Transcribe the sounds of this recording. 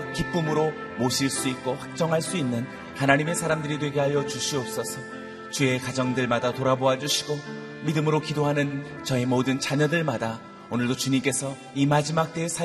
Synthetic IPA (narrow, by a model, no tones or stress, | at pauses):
kip͈ɯmɯɾo | moɕʰiɭs͈uik̚k͈oɸwak̚t͡ɕ͈ʌŋɦaɭs͈uinːɯn | hanaɲime̞sʰaɾamdɯɾidwe̞ɡeɦajʌt͡ɕuɕʰiʌp̚s͈ʌsʰʌ | t͡ɕue̞kad͡ʑʌŋdɯɭmadatoɾaboɦad͡ʑuɕʰi̥ɡo | midɯmɯɾokidoɦanɯn | t͡ɕʌe̞modɯnt͡ɕaɲʌdɯɭmada | onɯɭdot͡ɕuɲimk͈e̞sʰʌ | imad͡ʑimak̚t͈esʰa